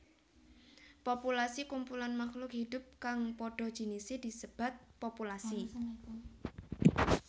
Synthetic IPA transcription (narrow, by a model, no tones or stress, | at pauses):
populasikumpulanmaxlʊkhid̪ʊ̤p̚kaŋpɔɖ̥ɔ̤d̥ʒ̥i̤nisɪd̪̥i̤səb̥a̤t̪̚populasi